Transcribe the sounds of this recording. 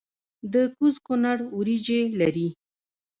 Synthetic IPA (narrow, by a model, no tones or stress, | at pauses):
d̪əkuzkʊnaɽuɾid͡ʒelaɾi